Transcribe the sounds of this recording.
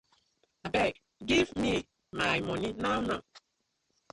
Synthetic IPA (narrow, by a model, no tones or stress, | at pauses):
abɛk | ɡivmi | majmɔninawna